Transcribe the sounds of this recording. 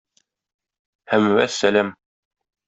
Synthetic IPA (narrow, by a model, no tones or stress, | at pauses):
hæmwæsːælæm